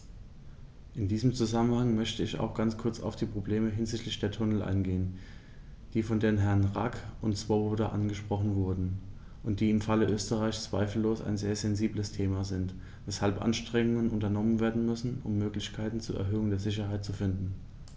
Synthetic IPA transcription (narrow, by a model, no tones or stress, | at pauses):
ʔɪndiːzəmt͡suzamənhaŋmœçtəɪça̰ʊxɡ̥ant͡skʰʊɐt͡sa̰ʊfd̥iːpʁ̥obleːməɦɪnzɪçtlɪçd̥eːɐtʰʊnəl̩ʔa̰ɪnɡeːən | d̥iːfɔndeːnɦɛɐnʁa̰kʊntsv̥ɔbodɐʔanɡəʃpʁ̥ɔχn̩vʊɐdn̩ | ʔʊnt̚d̥iːɪmfaləʔøːstəʁaɪçt͡sv̥a̰ɪfl̩ːoːsa̰ɪnzeːɐzɛnziːbləstʰeːmaːzɪnt | vɛshalpʔa̰nʃtʁ̥ɛŋʊŋənʔʊntɐnɔmənveːɐdn̩mʏsn̩ʔʊ̰mːøːklɪçkʰaɪtn̩t͡suːɐʔɛ̰ɐɦøːʊŋdeːɐzɪç̬ɐhaɪt̚t͡sufɪndn̩